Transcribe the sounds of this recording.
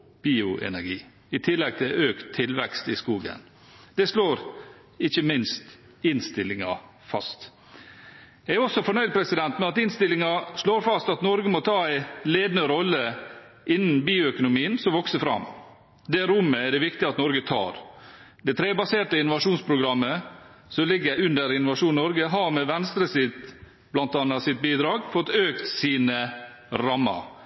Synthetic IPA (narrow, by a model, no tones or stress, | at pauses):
b̥iːʊʔɛ̰næɾɡiː | ɪt̪ʰɪlːɛɡ̚t̪ʰɪløːkt̪ʰːɪlʋɛkst̪ɪskuːɡə̰n | d̪̥ɛʂloːɾ | ɪçəmɪnst̪ | ɪnst̪ɪlɪŋɑ̰ | fɑst̪ | jæɡæɔsːɔfɔɳœʏd̪̚pʰɾɛsɪd̪ɛnt̪mɛnɑt̪ɪnst̪ɪlɪŋɑʂloːɾfɑst̪ɑt̪nɔɾɡəmɔt̪ʰɑːæɪleːd̪nəɾɔlːə | ʔɪnːn̩biːʊœkʊnʊmiːənsɔmʋɔksəfɾɑ̰m | d̪ɛɾʊmːəæɖɛʋɪkt̪ɪɑt̪nɔɾɡət̪ʰɑ̰ːɾd̪ɛt̪ʰɾeːbɑseːʈəɪnʊʋɑʂuːnspʰɾʊɡɾɑmːə | sɔmlɪɡəæɪʉnd̪əɾɪnʊʋɑʂuːnnɔɾɡəɦɑɾmɛʋɛnst̪ɾəsɪt̪ | b̥lɑnt̪ɑnɑsɪt̪̚biːd̪ɾɑːɡfɔt̪øːkt̪siːnə | ɾɑmːɑ̰ɾ